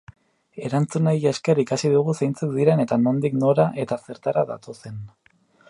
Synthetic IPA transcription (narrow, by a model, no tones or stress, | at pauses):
e̞ɾant͡sunajaeskerikasiðuɣ̞usejnt͡suk̚d̪iɾe̞ne̞t̪ano̞nd̪ikno̞ɾaʔe̞t̪ase̞ɾt̪aɾaða̰t̪o̞se̞n